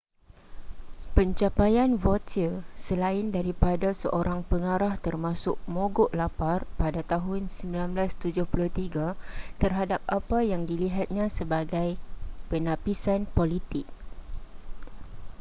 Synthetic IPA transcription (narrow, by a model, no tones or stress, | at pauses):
pəɲt͡ʃapajanvot̪ʰilsəlaɪndaɾipadasəʔoɾʔaŋpəŋaɾaht̪ərmãsʊk̚mõɡʊʔlaparpadat̪aɦʊnsəmbilanblast̪ud͡ʒʊhpulʊht̪iɡat̪ərɦadap̚apajaŋdiliɦat̪̚ɲãsəbaɡajpənapisanpolit̪ɪk̚